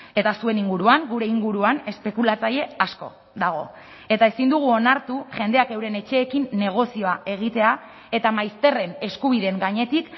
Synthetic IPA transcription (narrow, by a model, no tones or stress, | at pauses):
e̞t̪asue̞niŋɡuɾuaŋɡuɾe̞iŋɡuɾuane̞spe̞kulat͡saje̞asko̞̰ | ðaɣ̞o̞ | e̞t̪ae̞sind̪uɣ̞uo̞naɾt̪uʝe̞nd̪e̞ake̞wɾe̞ne̞t͡ʃe̞ːkinːe̞ɣ̞o̞sio̞ae̞ɣ̞it̪e̞a | e̞t̪amajst̪e̞re̞ne̞skuβ̞iðe̞ŋɡaɲe̞t̪ik